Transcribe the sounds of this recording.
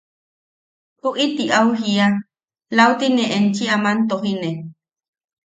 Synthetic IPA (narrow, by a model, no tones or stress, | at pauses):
ʔuʔit̪iʔauhia | laut̪ineʔent͡ʃiamant̪oɦine